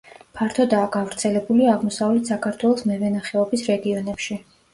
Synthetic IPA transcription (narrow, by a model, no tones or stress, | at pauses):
pʰaɾt̪ʰɔd̪aːɡavɾt̪sʰɛlɛbuliaʁmɔsavlɛt̪ʰsakʰaɾt̪ʰwɛlˠɔsmɛvɛnaχɛɔbisɾɛɡiɔnɛpʃi